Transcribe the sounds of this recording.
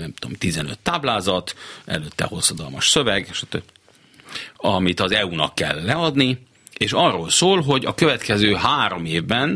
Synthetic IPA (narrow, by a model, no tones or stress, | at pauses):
nɛmt̪uo̰mt̪izɛnø̰t̪ːaːblaːzɒt̪ʔɛ̰løt̪ːɛ̰ho̞sːɒd̪ɒlmɒʃsøvɛɡeʃɒ̥t̪øb | ɒmit̪ɒzɛunɒ̰kːɛ̰lːɛɒd̪ni | eːʃɒrːoːlsoːlɦo̞ɟɒkøvɛt̪kɛzøːɦaːɾo̞meːvbɛn